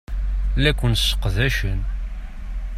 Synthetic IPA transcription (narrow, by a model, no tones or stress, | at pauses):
lːækʷːənsə̥qðæʃən